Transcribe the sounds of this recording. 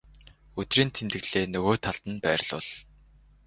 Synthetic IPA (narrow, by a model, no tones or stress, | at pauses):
ɵt̪riːnt̪ʰemt̪ɘ̆ɣɮ̥eːnɵɣoːt̪ʰaɮt̪ə̆npæːr̆ɮʊ̰ɮ